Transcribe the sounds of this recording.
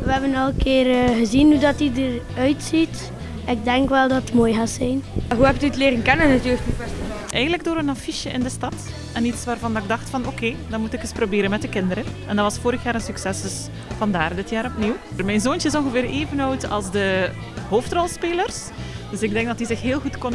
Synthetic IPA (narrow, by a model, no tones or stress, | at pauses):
ʋəɦɛbənɑləkɪːrɣəzinhudɑtidərœɥtsit | ɪɡ̚dɛŋkʋɛlˠdɑttmoːjɣaːsɛjnɦuɛp̚tyətlɪːɾənkɛnənətyːləknipɛs | ʔɛjɣəndləɡ̚doːɾənɑfiʃjəʔɪndəstɑt | ɛnitsʋaːrvɑndɑɪɡ̚dɑxtfɑnokeːdɑnmutɪkəsprobeːɾənmɛt̚dəkɪndəɾənɛndɑtʋɑsfoːɾəxjaːɾənsyksɛsdɵs | v̥ɑndaːrdɪtjaːɾɔpniwmɛjnzoːnt͡ʃəɪsɔnɣəveːɾeːvənɔwtɑ̰lˠzdə | ɦoːftrɔlˠspeːlərs | døsɪɡ̚dɛŋɡ̚dɑtdizɪxɦeːlˠɣutkon